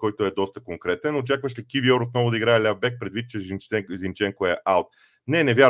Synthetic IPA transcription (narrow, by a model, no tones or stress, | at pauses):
kɔjt̪oɛd̪ɔst̪əkoŋkɾɛt̪ɛnot͡ʃakvəʃlikivioɾot̪̚nɔvʊd̪ɐiɡɾaɛlʲavbɛk̚pɾɛd̪vit̪̚t͡ʃɛɛzimt͡ʃɛŋkoɛʔalˠt̪̚ | nɛnɛvʲja